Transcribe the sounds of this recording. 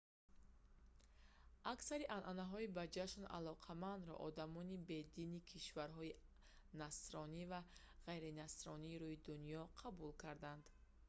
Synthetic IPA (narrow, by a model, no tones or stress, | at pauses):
ʔaksaɾiʔanʔanaɦɔibad͡ʒaʃna̰lɔqʰamand̪ɾɔ̰ʔɔd̪amɔnibe̞d̪inikʰiʃvaɾɦɔi | nasɾɔniva | ʁajɾinasɾɔniːɾuid̪unijɔqʰabulkʰaɾd̪and̪̥